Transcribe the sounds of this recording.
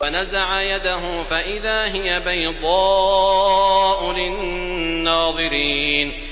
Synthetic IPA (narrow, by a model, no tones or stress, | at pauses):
anazaʕajad̪aɦʊfaʔɪðaːɦɪjabajd̪ˤɑː | ʔʊlɪ | nːɑːðˤɨɾiːn